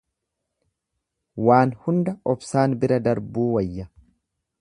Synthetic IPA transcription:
waːnhʊnd̪ɐɔbsaːnbɪɾɐd̪ɐɾbuːwɐjːɐ

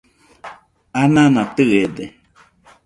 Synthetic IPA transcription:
anãnãt̪ɨed̪e

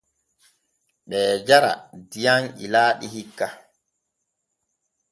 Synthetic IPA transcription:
ɓɛːd͡ʒaɾa̰dijaŋilaːɗihikːa

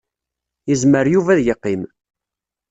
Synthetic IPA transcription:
jəzməɾjuvæðjəqːim

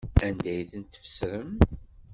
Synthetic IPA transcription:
ænd̪æjθənt̪ːə̥fə̥sɾəm

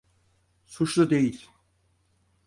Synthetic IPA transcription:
sut͡ʃlˠud̪e̞jilʲ

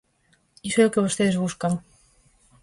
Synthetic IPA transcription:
isoɛkeβost̪eðzβuskaŋ

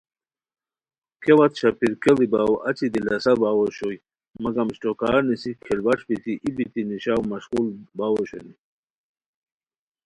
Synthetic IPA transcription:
kʰewat̪ɕapiɾkelibawa̰t͡sid̪ilasabawɔɕoj | mɐɡamɕʈokaːɾnisikʰɛlwaʈ͡ʂbit̪iʔibit̪iniɕawmɐɕqulbawoɕo̰ni

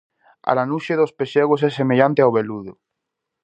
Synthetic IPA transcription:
a̰lanuʃeðospeʃeɣosɛsemeʎãnt̪eawβeluðo

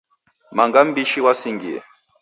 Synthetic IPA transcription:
maŋɡam̩biʃiwasiŋɡiɛ̰

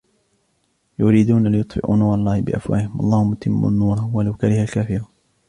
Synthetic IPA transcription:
jʊɾiːd̪uːnalɪjʊt̪ˤfɪ̰ʔṵnuːɾˤɑlˤːɑːhɪbɪ̰ʔa̰fwa̰ːlɪhɪmʔɑ̰lˤːɑːhʊmːʊt̪ʰɪmːʊ̰nːuːɾˤɑwalawkaɾɪhalkaːfɪɾu

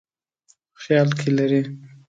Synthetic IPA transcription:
xjɑlkʰelaɾi

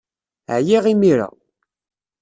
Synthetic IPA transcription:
ʕjiʁimiɾa̰

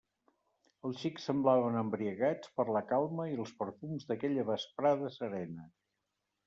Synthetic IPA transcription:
əlˠsʃiksəmblaβənəmbɾiəɣat͡spəɾləkalˠməiəlˠspəɾfumzðəkɛʎəβəspɾaðəsəɾɛnə

